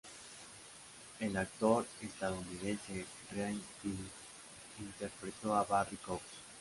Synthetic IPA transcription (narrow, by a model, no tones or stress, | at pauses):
elak̚t̪oɾest̪aðounið̞ẽnse | rant̪i | int̪eɾpɾet̪oaβarikoks